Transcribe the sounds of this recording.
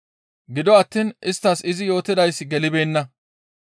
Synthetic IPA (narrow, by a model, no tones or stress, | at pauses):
ɡɪd̪ɔɐt̪ːiːnʔɪst̪ːɐsɪzɪjo̞ːt̪ɪd̪ɐjsːɪɡɛlɪbe̞ːnːɐ